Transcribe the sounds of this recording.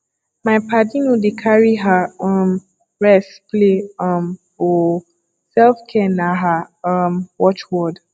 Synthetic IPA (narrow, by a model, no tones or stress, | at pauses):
majpadĩnũdekʰaɹiɦaɔm | ɹɛspleɔm | o | sɛlfkʰɛ̃nãɦa | mwɔt͡ʃwɔd